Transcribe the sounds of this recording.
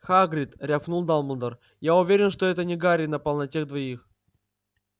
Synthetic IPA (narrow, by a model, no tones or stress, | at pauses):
xaɡɾʲɪt̪ɾʲafnulˠd̪alˠməld̪ər | jaʊvʲeɾʲɪnʂt̪oɛt̪ənʲɪɡaɾʲɪnəpɐlˠnɐtʲeɣd̪vɐix